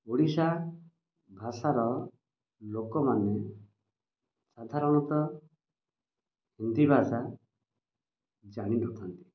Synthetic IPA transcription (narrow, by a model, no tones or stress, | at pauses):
oɽisa | bʱasaɾɔ | lokɔmane | sad̪ʱaɾɔɽ̃ɔt̪ɔ | hend̪ibʱasa | d͡ʒaɽ̃iɾɔkʰɔnt̪i̥